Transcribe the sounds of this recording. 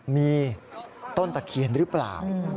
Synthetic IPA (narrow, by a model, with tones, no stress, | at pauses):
miː˧ | t̪o˥˩nt̪a˨˩kʰi˨˩ənɾɯː˦˥pla̰ː˨˩w